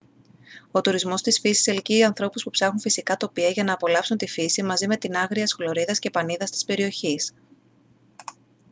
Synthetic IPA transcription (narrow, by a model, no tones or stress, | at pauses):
o̞t̪uɾizmo̞st̪isfisi̥selciɐnθɾo̞puspupsɐxunfisikɐt̪o̞piɐʝɐnɐːpo̞lɐpsunt̪ifisimɐzime̞t̪inɐɣɾiɐsxolo̞ɾiðɐsce̞pɐniðɐst̪i̥spe̞ɾio̞çis